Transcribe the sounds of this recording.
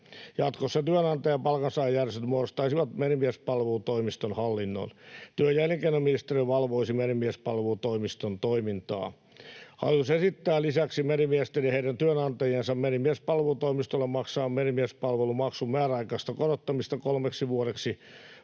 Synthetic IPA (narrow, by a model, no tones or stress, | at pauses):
jɑt̪kosːɑt̪yønɑnt̪ɑjɑpɑlkɑnsɑːjːærst̪yt̪moorost̪ɑisiʋɑt̪menimiæspɑlʋelut̪oimist̪onhɑlːinːo̰nt̪yøjæljeŋkeinːominist̪eriʋɑlʋoisimenimiæspɑlʋelut̪oimist̪ont̪oimint̪ɑ̰ː | hɑ̰ljusesit̪ːæːlisæksimenimiest̪eriheiɾænt̪yønɑnt̪ɑjensɑmmenimiespɑlʋelut̪oimist̪olːemmɑksɑːmmenimiespɑlʋelumɑksummæːræɑikɑːst̪ɑkorot̪ːɑmist̪ɑkolmeksiʋuoɾeksi